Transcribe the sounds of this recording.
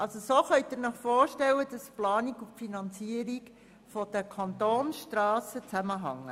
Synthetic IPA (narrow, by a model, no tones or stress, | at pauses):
ʔɑlsosoːχœʏt̚d̥ɪɾnəχfɔːɾʃtɛlːəd̥ɑsplɑːnikuffinɑnt͡siəɾik | fɔd̥əkʰɑnt̪oːnʃtrɑːsət͡sæməɦɑ̰ŋːə